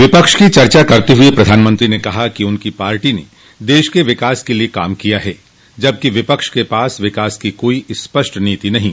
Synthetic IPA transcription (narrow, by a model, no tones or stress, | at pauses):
ʋɪpəkʃkit͡ʃɐɾt͡ʃakɐɾt̪eɦʊepɾɐd̪ʱaːnmə̃nt̪ɾinekɐɦakiʊnkipaːɾʈinḛ | d̪eːʃkeʋɪkaːskelieka̰ːmkijaɦɛː | d͡ʒɐb̚kiʋɪpəkʃkepaːsʋɪkaːskikoːispɐʃʈniːt̪inɐɦĩː